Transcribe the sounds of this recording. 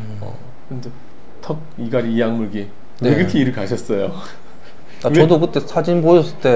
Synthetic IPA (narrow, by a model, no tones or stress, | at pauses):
ʌ̰ | ɯnde | tʰʌk̚iɡaɾiːjaŋmuɭɡi | nɯeekɯɾkʰeiɾɯɭkaɕʰʌs͈ʌjo | tat͡ɕʌdokɯt͈e̞sʰad͡ʑinbojʌs͈ɯt͈e̞